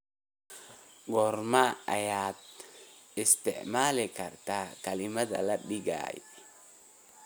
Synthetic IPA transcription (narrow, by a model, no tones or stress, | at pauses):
ɡɔɾmaajaːt̪̚ | ɪst̪ɛʔmaːlɛkɐɾt̪akalɪmat̪a̰laɗiɡa̰ːj̰